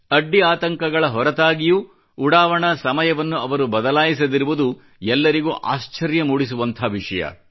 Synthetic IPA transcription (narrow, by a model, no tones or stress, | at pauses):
ɐɖːiaːt̪ɐŋkɐɡɐɭɐɦɔɾɐt̪aːɡijuː | ɽaːʋɐɳɐsɐmɐjɐʋɐnːuɐʋɐɾubɐd̪ɐlaːjis̬ɐd̪iɾuʋud̪u | ɛlːɐɾiɡṵːʔa̰ːʃt͡ʃɐɾjɐmuːɽisuʋɐnt̪ʰaʋiʂɐjɐ̰